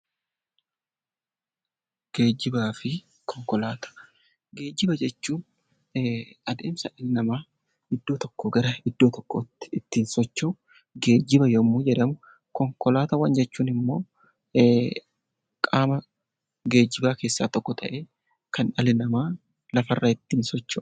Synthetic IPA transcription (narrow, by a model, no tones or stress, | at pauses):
ɡ̥e̞ːd͡ʒːɪbaːfɪ | kʰɔŋkɔlaːt̪ɐ̥ | ɡe̞ːd͡ʒːɪbɐd͡ʒɛt͡ʃːuːn | ɐd̪e̞̰ːmsɐʔɐlɪnɐmaː | ɪd̪ːo̞ːt̪ɔkːoːɡɐɾɐɪd̪ːoːt̪ɔkːoːt̪ːɪ̥ɪt̪ːiːnsɔt͡ʃːo | ɡe̞ːd͡ʒːɪbɐjɔmːuːd͡ʒɛᶑɐmʊ | kɔŋkɔlaːt̪ɐwɐnd͡ʒɛt͡ʃːuːnɪmːo̞ː | kʼaːmɐ | ɡe̞ːd͡ʒːɪbaːke̞ːsːa̰ːt̪ɔkːɔt̪ʰɐʔe̞ː | kɐnᶑɐlɪnɐmaː | lɐfɐrːaːɪt̪ːiːnsɔt͡ʃːɐ